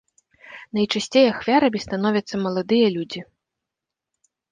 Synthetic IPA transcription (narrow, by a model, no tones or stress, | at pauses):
nɐjt͡ʂasʲt͡sʲejaxvʲaɾɐmʲist̪an̪ɔvʲɐt̪sːɐmɐlˠad̪ɨjɐlʲud͡zʲi